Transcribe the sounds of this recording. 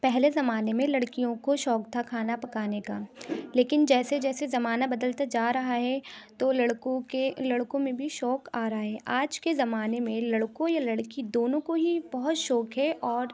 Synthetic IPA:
pɛɦlezɐmaːnemẽlɐɽkijõkoʃɔːk̚t̪ʰakʰaːnapɐkaːnekaːleːkɪnd͡ʒɛːsed͡ʒɛːsezɐmaːnabɐd̪əlt̪ad͡ʒaːɾɐɦaɦɛt̪olɐɽkõkelɐɽkõmẽbʱiʃɔːkaːɾɐɦaɦɛːʔaːd͡ʒkezɐmaːnemẽlɐɽkõjalɐɽkid̪oːnõkoɦibɐɦʊt̪ʃɔːkɦɛʔɔːɾ

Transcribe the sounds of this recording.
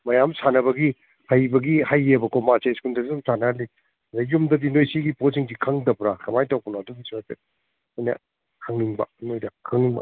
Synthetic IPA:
mɐjamsanɐbɐɡi | hajbɐɡihajebɐkomaseskundɐɡisumsanali | ɐdɐjumdɐdinojsiɡiposiŋsikʰɐŋdɐpɾakʰɐmajtawpunɐdudisase | ana̰ | kʰɐŋniŋbɐ̰nojdɐkʰɐŋniŋba̰

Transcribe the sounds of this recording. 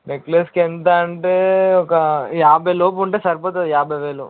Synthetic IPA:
nekleːskent̪aɳʈeːɔkɐjaːbʱɐjloːp̬uɳʈeːsɐɾpoːt̪ɐjaːbʱɐjʋeːlṵ

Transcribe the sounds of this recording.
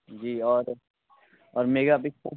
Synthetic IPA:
d͡ʒiːɔːɾ | ɔːɾmeːɡapɪk̚po̰

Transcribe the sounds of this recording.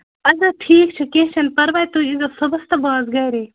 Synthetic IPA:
ɐzɐʈʰiːk̚t͡ʃʰɐkẽɦʃʰɐnpɐɾʋaːjt̪uːizosɐbɐst̪ɐbaːzɡɐːɾeː

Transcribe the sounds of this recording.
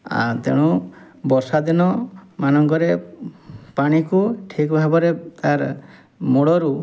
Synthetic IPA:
a̰t̪ḛɽ̃u | bɔɾsad̪inɔmanɔŋkɔɾe | paɽ̃ikuʈʰikbʱabɔɾet̪aɾ | moɽɔɾu

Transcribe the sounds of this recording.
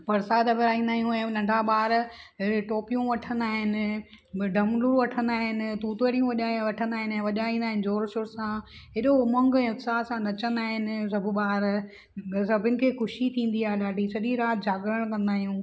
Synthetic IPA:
pɐɾsaːd̪ɐbɪɾaːĩːnd̪aːɦjũɛ̃nɐ̃ɳɖʱaɓaːɾ | ʈoːpijũʋɐʈʰə̃nd̪aːɦɪnɪ̆ | ɖʱɐmluɾʋɐʈʰə̃nd̪aːɦɪnɪ̆t̪uːt̪əɾijũʋɐʄʋɐʈʰə̃nd̪aːɦɪnɛ̃ʋɐʄaĩːnd̪aːɦɪnɪzoːɾʃʊɾsã | ɪɗomɐ̃ŋɡɛ̃ːʊt̪saːsãnɐt͡ɕə̃nd̪aːɦɪnɪ̆sɐbʱʊɓaːɾ | sɐbʱɪnɪ̆kʰeːxʊʃit̪ʰĩːnd̪iaːelaːɖisɐɗiɾaːt̪̚d͡ʑʱaːɡɾəɽ̃kɐ̃nd̪aːɦijũː

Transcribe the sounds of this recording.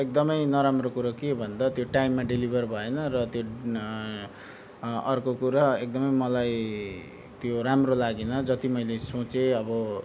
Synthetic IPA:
ek̚d̪ʌmʌjnʌɾamrokuɾʌkebʱʌnd̪at̪joʈajmːaɖilibʱʌrbʱʌenʌrʌt̪jo | ʌrkokuɾaek̚d̪ʌmʌjmʌlaj | t̪joɾamrolaɡenʌd͡zʌt̪imʌjlesot͡seʌbʌ

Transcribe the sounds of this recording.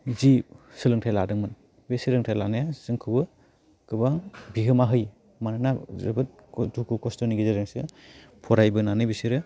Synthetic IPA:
zisɯlɯŋtʰajladɯŋmɯn | besiɾɯŋtʰajlanajazɯŋkʰɯbɯ | kɯbaŋbiɦɯmaɦɯj | manɯnazɯ̰bɯt̚ | dukʰukɔstɔniɡizaɾɯŋsɯ | pʰɔɾajbɯnanɯjbisiɾɯ

